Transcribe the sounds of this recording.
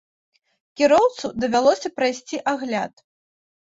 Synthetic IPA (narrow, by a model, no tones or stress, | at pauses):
kʲiɾɔwt̪sud̪ɐvʲalˠɔsʲɐpɾajsʲt͡sʲiʔaɣlʲa̰t̪